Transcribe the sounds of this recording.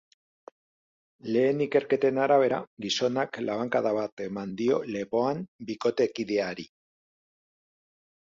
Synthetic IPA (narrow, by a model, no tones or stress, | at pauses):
le̞ːnike̞ɾke̞t̪e̞naɾaβ̞e̞ɾa̰ɡiso̞naklaβ̞aŋkaðaβat̪e̞mand̪io̞le̞po̞ambiko̞t̪e̞kiðe̞aɾi